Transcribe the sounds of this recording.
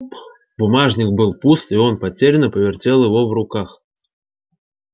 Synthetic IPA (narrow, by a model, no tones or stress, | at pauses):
bʊmaʐnʲɪkbɨlˠpust̪ɪo̞npɐtʲeɾʲɪnːəpəvʲɪrtʲe̞lˠjɪvo̞vrʊkax